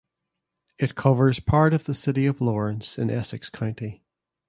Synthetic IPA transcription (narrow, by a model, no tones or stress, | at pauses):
ɪʔkʰʌvə˞z̥pʰaɹɾəvðəsɪʔiəvlˠɔɹə̃nsɪ̰̃nʔɛsɨkskʰãʊ̃nti